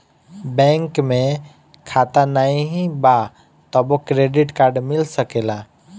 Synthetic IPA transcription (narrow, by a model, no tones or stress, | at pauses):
bɛ̃ŋkmẽ | kʰat̪anaĩɦĩba | t̪əbokɾeɖiʈkaɾɖmilsəkela